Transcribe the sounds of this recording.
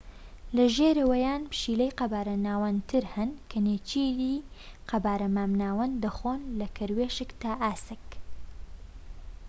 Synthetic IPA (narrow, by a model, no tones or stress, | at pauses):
lɐʒeːɾɐwɐjaːnpʰʃiːlejqɐbaːɾɐnaːwɐnt̪ʰɨɾhɐnkʰɐneːt͡ʃiliːqɐbaːɾɐmaːmnaːwɐnd̪ɐxoːnlɐkʰɐɾweʃɨkt̪aːʔaːsɨk